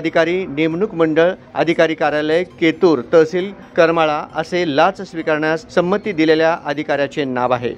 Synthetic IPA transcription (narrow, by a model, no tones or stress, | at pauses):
d̪ʱikaɾiːnemɳukməɳɖəɭə̰d̪ʱikaɾiːkaɾaləjket̪uːɾt̪əsiːlkəɾmaɭaʔəselat͡ssʋikaɾɳjasːəmːət̪iːd̪ileljaʔəd̪ʱikaɾjat͡ɕenaʋaɦḛ